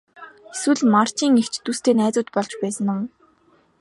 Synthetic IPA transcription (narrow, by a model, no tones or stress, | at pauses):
eswɘ̆ɮmar̥t͡ɕiːŋekt͡ɕt̪ust̪ʰeːnæːt͡sʊːt̪pɔɮt͡ɕpæːsə̆nʊ̆m